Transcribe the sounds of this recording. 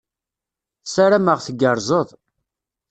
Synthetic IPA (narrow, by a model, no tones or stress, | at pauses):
saɾæməʁθəɡəɾˤzˤəðˤ